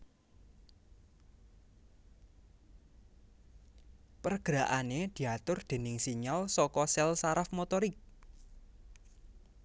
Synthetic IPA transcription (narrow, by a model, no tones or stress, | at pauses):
pərɡ̥əɾaʔaned̪̥i̤at̪ʊrd̪̥e̤nɪŋsiɲalsɔkɔsɛlsaɾafmot̪ɔɾɪk̚